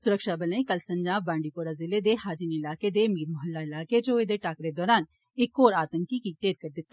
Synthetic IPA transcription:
sʊɾəkʃabɐlə̃ĩkɐlsɐ̃ɲd͡ʒaːbːãːɳɖipoːɾazɪled̪ehaːd͡ʒiniɪlaːked̪emiːɾmʊɦəlːaɪlaːked͡ʒoːed̪eʈaːkɾed̪ɔːɾaːn | ɪkːoːɾaːt̪ə̃ŋkikiʈeːɾkɐɾd̪ɪt̪ːa

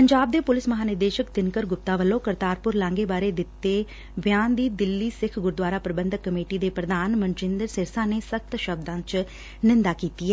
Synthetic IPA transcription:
pəɲd͡ʒaːb̚d̪eːpʊlɪsməɦaːnɪɾd̪eːʃəkt̪ɪnkəɾɡʊp̚t̪aːʋəlːõːkəɾt̪aːɾpʊɾlãːŋɡeːbaːɾeːd̪ɪt̪ːeː | ʋɪjaːnd̪iːd̪ɪlːiːsɪkʰɡʊɾd̪waːɾaːpɾəbə̃nd̪ʱəkːəmeːʈiːd̪eːpɾəd̪aːnmənt͡ʃɪ̃nd̪əɾsɪɾsãːneːsək̚t̪ʃəb̚d̪ãːt͡ʃ | nɪnd̪aːkiːt̪iːɛː

